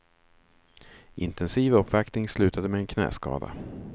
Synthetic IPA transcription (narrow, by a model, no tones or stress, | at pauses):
ʔɪnt̪ʰɛnsiːvɵpːvaktnɪŋslʉ̟ːt̪ʰad̪əmɛɛnkʰnɛ̰ːskɑ̰ːd̪a̰